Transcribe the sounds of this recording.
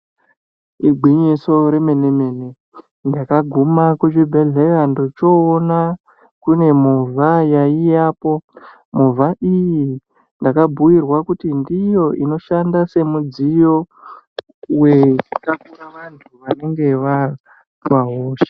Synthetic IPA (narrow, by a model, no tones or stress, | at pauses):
iɡʱwiɲiso̞ɾe̞me̞neme̞ne | ndakaɡʱumakut͡ʃibʱeɮerandot͡ʃo̞ːna | kune̞movʱajaijaːpo̞ | muvʱaʔiji | ndakabʱujirwakutindijo̞ʔino̞ʃandase̞mud͡zijo̞ | we̞kakuraʋantʰuʋane̞ŋɡeʋa | waɦoːʃe̥